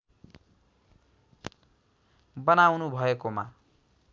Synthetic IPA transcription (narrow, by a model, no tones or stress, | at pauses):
bʌnawnubʱʌekoma̰